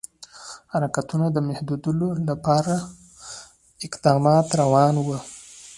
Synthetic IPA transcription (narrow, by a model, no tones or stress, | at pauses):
haɾakat̪unad̪əmahd̪ud̪əlolapɑɾa | ɪqd̪ɑmɑt̪ɾawɑnwə